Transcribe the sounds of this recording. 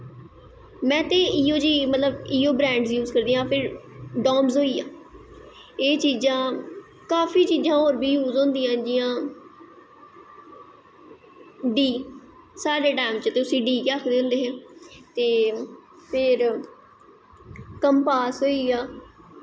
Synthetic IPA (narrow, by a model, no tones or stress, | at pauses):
mɛ̃ːt̪eːiːoːd͡ʒiːmət̪ləbiːoːbɾɛ̃ːɳɖzjuːzkəɾd̪iːãːpʰɪɾɖɔːmzɦoːiːãː | eːt͡ʃiːzãː | kaːfiːt͡ʃiːzãːɦoːɾbiːjuːzõːnd̪iːãːd͡ʒɪjãː | ɖiː | saːɾeːʈaːɪmt͡ʃt̪eːʊsĩːɖiːkaːkʰd̪eːʊ̃ːnd̪eːɦɛ̃ːt̪eː | pʰɪɾ | kəmpaːsɦoːiːaː